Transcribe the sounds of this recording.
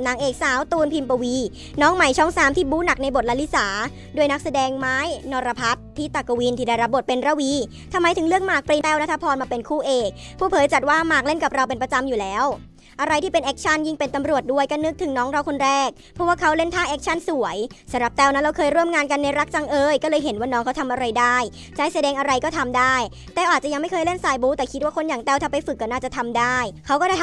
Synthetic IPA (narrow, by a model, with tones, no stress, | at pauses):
naː˨˦ŋʔeː˨˩k̚saː˨˩˦wt̪uː˧npʰi˧mpo˧wi˧ | nɔː˦˥ŋma˨˩jt͡ɕʰɔː˥˩ŋsaː˩˦mt̪ʰiː˥˩buː˦˥na˨˩k̚na˧jbo˨˩t̪̚la˦˥li˦˥saː˩˦ | du˧˩əjna˦˥k̚sa˧dɛː˧ŋmaː˦˥jnɔː˧ɾa˧pʰa˦˥t̪̚ʰːiː˦˥˩t̪a˨˩ko˧wi˧nt̪ʰiː˧da˥˩jɾa˦˥p̚bo˨˩t̪̚pe˧nɾa˧˩wi˧˥ | t̪ʰa˧mːa˧jt̪ʰɯ˨˩˦ŋlɯ˥˩ək̚maː˨˩k̚pɾiː˧t̪ɛː˥˩wna˦˥t̪ʰa˧pʰɔː˧nmaː˧pe˧nkʰuː˥˩ʔeː˨˩k̚pʰuː˥˩pʰɤː˨˦jt͡ɕa˨˩t̪̚waː˥˩maː˨˩k̚le˥˩nka˨˩p̚ɾa˧wpe˧npɾa˧t͡ɕa˧mjuː˨˩lɛː˦˥w | ʔa˧ɾa˧jt̪iː˥pe˧nʔɛː˦k̚t͡ɕʰa˥˩nji˥˩ŋpe˧nt̪a˧mɾu˨˩ət̪̚du˥˩əjka˧˥˩nɯ˦˥k̚t̪ʰɯ˩˦ŋnɔː˦˥ŋɾa˧wkʰo˧nɾɛː˥˩k̚ | pʰɔ˦˥waː˥˩kʰa˦˥wle˥˩nt̪ʰaː˥˩ʔɛː˦˥k̚t͡ɕʰa˥˩nsu˩˦əjsa˨˩˦mɾa˨˩p̚t̪ɛː˧˩wna˦˥ɾa˧wkʰɤː˧jɾu˥˩əmŋaː˧nka˧nːa˧jɾa˦˥k̚t͡ɕa˧ŋʔɤː˧jkɔː˥˩lɤː˧jɦe˩˦nwaː˥˩nɔː˦ŋkʰa˦˥t̪ʰa˧mʔa˧ɾa˧jdaː˥˩j | t͡ɕa˧˥˩jsa˧dɛː˧ŋʔa˧ɾa˧jkɔː˥˩t̪ʰa˧mdaː˥˩j | t̪ɛː˨˩wʔaː˨˩t̪̚t͡ɕa˨˩ja˧ŋma˥˩jkʰɤː˧jle˥˩nsaː˧jbuː˦˥t̪ɛː˨˩kʰi˦˥t̪̚waː˥˩kʰo˧njaː˨˩ŋt̪ɛː˥˩wt̪ʰa˨˧˩pa˧jfɯ˨˩kːɔː˧˩naː˥˩t͡ɕa˨˩t̪ʰa˧mdaː˥˩jkʰa˦˥wkɔː˥˩da˥˩